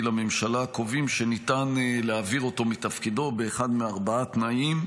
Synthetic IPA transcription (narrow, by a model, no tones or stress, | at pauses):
lamemʃalakovimʃenit̪anleaviʁo̞to̞mitɐfkido̞beːχad̪meaʁbaat̪naim